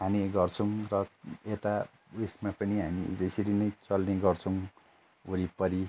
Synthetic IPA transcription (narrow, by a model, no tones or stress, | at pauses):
ɦaniɡʌrt͡sʰʌw̃rʌet̪a | esmapʌniɦamḭd͡zesiɾinʌjt͡sʌlneɡʌrt͡sʰʌw̃ | oɾipʌɾi